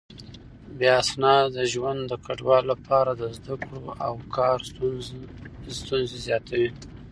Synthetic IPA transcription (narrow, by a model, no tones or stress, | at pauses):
beasnɑd̪əʒwand̪d̪əkʰaɖwɑlːapʰɑɾad̪əzd̪akɽoawkʰɑɾ | st̪unzezjɑt̪ʰawi